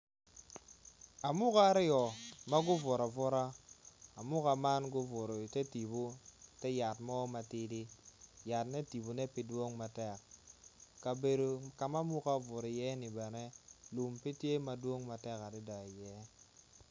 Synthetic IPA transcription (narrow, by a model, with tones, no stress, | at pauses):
a˨mu˦ka˦ɾi˦jo˨ma˦ɡu˦vo˨ɾa˨vo˦ɾa˦a˨mu˦ka˨ma˦nɡu˦vo˨ɾo˨te˦ti˨bu˦te˦ja˨tmo˦ma˨ti˦di˦ja˨tne˦ti˨bu˨ne˦pi˦du˦o˦ŋma˨te˦˨k̚ | ka˨be˨ɾu˨ka˨ma˦mu˦ka˦vo˨ɾi˨je˦ni˨ba˨ne˦lu˨mpi˦te˦ma˨du˦o˦ŋma˨te˦˨ka˨ɾi˦da˨je˦